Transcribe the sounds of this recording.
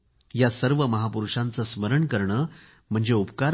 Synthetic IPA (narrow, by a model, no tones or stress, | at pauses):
jasəɾʋəməɦapuɾuʂãnt͡səsməɾəɳkəɾɳəː | m̤əɳd͡zeupkaɾ